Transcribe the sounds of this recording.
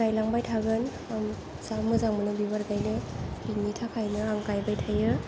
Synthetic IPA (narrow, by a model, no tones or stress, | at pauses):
ajlaŋbajtʰaɡɯn | am | samɯzaŋmɯnɯbibaɾɡajneiŋnitʰakʰajnɯaŋkajbajtʰajɯ